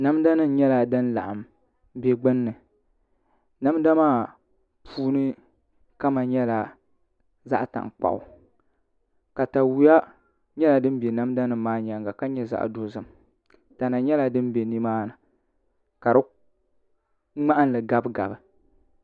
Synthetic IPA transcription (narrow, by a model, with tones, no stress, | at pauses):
na˦mda˦nɨ˦n˨˦ɲɛ˦la˨dɨ˦n˦la̰˨ʔa˨m | be˨ɡ͡bɨ˦nːɨ˨ | na˦m˦da˦maː˦˨ | pʰuː˦nɨ˦ | ka˦ma˨ɲɛ˦la˨ | za̰˦ʔta̰˨ŋk͡pa̰˨ʔʊ˨ | ka˨ta˨wu˨˦ja˦ | ɲɛ˦la˨dɨ˦m˦bɛ˨na˦m˦da˦nɨ˨mːaː˦ɲa˨ŋɡa˨ka˦ɲɛ˦za̰˦ʔdo˦zɨ˨m˨ | ta˨na˨ɲɛ˦la˦dɨ˦m˦be˨ni˦maː˦nɨ˨ | ka˨ɾɨ˦ | ŋ͡ma˦ʔa˦n˦lɨ˨ɡa˦bɡa̰˨bɨ˨